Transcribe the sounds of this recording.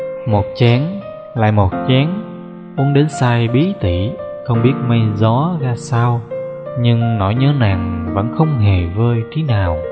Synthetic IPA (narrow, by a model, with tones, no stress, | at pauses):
mo˨˩t̚t͡ɕɛ˨˦ŋ | la̰ː˧˨jmo˨˩t̚t͡ɕɛ˨˦ŋ | ʔu˨˦ənɗe˨˦nsaː˧jɓi˨˦t̪i˧˨ | xə˧wŋ͡mɓi˦˥ət̚mə˧jzɔ˨˦ɣaː˧saː˧wɲɨ˧ŋnɔ˧˩jɲəː˨˦naː˨˩ŋvə̰˧˥nxə˧wŋ͡mɦe˨˩vəː˧jt͡ɕi˨˦naː˨˩w